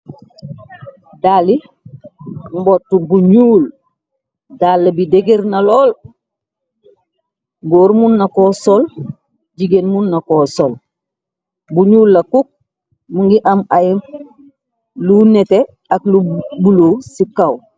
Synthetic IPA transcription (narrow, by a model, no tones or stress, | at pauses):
dali | mbotːubuɲuːl | dalːebideɡeɾnaloːl | ɡoːɾmunːakosol | ɟiɡenmunːakosol | buɲuːlːɐkuk̚ | muŋɡiʔamaji | lunete | aklubuloːsikaw